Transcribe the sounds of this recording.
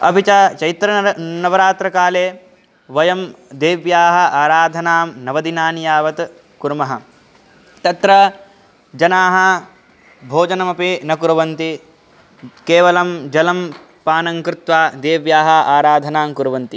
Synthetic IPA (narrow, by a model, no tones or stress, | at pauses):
ɐ̰bit͡ʃɐt͡ʃɐjt̪ɾɐnɐʋɐɾaːt̪ɾɐkaːleː | ʋɐjɐmd̪eːʋjaːɦɐ̆aːɾaːd̪ʱɐnaːmnɐʋɐd̪inaːnjaːʋɐt̪ | kuɾmɐɦɐ | t̪ɐt̪ɾɐ | d͡ʒɐnaːɦɐ | bʱoːd͡ʒɐnɐmɐpinɐkuɾɐʋɐnt̪i | keːʋɐlɐmd͡ʒɐlɐm | paːnɐŋkɾɪt̪ʋaːd̪eːʋjaːɦɐʔaːɾaːd̪ʱɐnaːmkuɾɐʋɐnt̪i